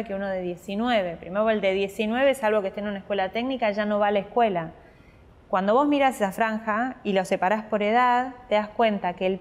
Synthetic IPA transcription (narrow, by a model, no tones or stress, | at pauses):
keuno̞ðe̞ðje̞sinweβe̞pɾimeɾo̞eld̪e̞ðje̞sinwe̞β̞esalβokest̪eːnunaekwe̞lat̪eɡnikaʒano̞βalaehkwela | kwand̪o̞βo̞zmiɾasesafɾaŋxailo̞sepaɾaspo̞ɾe̞ð̞aðt̪eðaskwe̞nt̪akeːl